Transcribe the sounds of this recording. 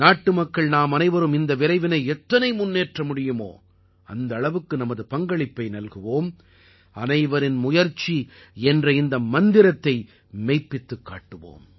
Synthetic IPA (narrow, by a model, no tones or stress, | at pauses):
naːʈːɯmɐkːɐɭnaːmɐnɐɪʋɐɾɯmɪnd̪ɐʋɪɾɐɪʋɪnɐɪɛt̪ːɐnɐɪmʊnːeːʈrɐmʊɽɪjɯmo̰ː | ɐ̰nd̪ɐːɭɐʋɯkːɯnɐmɐðɯpɐŋɡɐɭɪpːɐɪnɐlɣɯʋoːm | ɐnɐɪʋɐɾɪnmʊjɐɾt͡ʃːiɛndrɐɪnd̪ɐmɐnd̪ɪɾɐt̪ːɐɪ | mɛɪpːɪt̪ːɯkːa̰ːʈːɯʋo̰ːm